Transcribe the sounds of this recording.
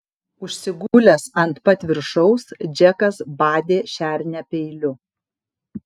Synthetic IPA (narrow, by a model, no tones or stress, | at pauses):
ʊʃʲsʲɪɡʊlʲɛsɐnt̪pɐt̪ʲʋʲɪɾʃɒʊsd͡ʒʲɛkɐsbɑːd̪ʲeːʃʲæːˑɾʲnʲæpʲɛɪlʲʊ